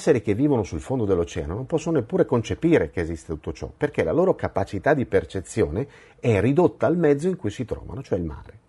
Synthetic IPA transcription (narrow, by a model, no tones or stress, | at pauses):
sːeɾikevːiːvonosulfond̪od̪elːot͡ʃɛːanonompɔsːononepːuːɾekont͡ʃepiːɾekeːzist̪et̪u̥t̪ːot͡ʃɔ̰perk̟elaloːɾokapat͡ʃit̪ad̪ːipert͡ʃet̪sːjoːne | ɛrid̪ot̪ːaːlmɛd̪zːoiŋkujsit̪ɾɔ̰ːva̰not͡ʃoɛilma̰ːɾe